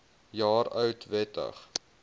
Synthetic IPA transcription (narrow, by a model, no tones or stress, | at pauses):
jɑːɾœɥtvɛtə̰χ